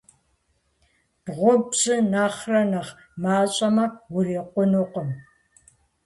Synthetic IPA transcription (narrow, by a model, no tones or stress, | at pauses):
b̥ʁʷobzɨnaːχrɐnɐχ | maːɕʼɐmɐwʊriːqʷʊnuqəm